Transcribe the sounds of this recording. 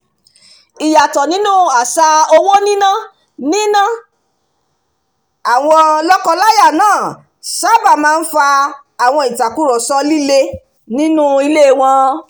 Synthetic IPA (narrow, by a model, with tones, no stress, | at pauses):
i˨ja˨tɔ˨nĩ˨˦nũ˦a˨sa˧o˧wo˦nĩ˦nã˦ | nĩ˦nã˦˨ | a˨w̃ɔ̃˧lɔ˦kɔ˧la˦ja˦˨nãː˦˨ | sa˦˨ba˨mãː˦˧n̩˦fa˧ | a˨w̃ɔ̃˧i˨ta˨ku˦ɾɔ˨sɔ˧˦li˦le˦ | nĩ˦nũ˦i˧le˦˨w̃ɔ̃˧